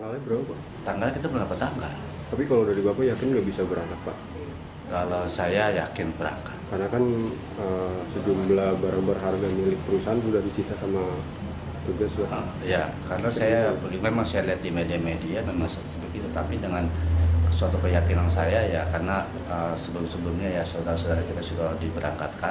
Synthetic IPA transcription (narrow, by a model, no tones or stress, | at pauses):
t̪aŋɡalbəɾapa | t̪aŋɡalkit̪apəŋɡapat̪aŋɡal | t̪apikalawdaɾibapajakɪnɡabisabəɾanak̚paʔ | kalawsajajakɪnpəɾa̰ŋkḁt̪̚karnakan | əsəd͡ʒumblahbaɾaŋbərɦarɡamilɪk̚pəɾusaɦansudahdisit̪asama | t̪uɡasda | jakaɾənasajabəɡimemaŋsajaliɦat̪̚dimedamediamemaŋs | bɡit̪ut̪apidəŋansuat̪ukəjakinansajajakarəna | əsəbəlʊmsəbəlʊmɲajasodaɾasodaɾakit̪asudadibəɾaŋkat̪̚ka